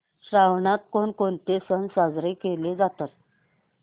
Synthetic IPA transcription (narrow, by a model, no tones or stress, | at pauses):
ɕɾaʋɳat̪̚koɳkoɳt̪esənsad͡zɾekeled͡zat̪at̪̚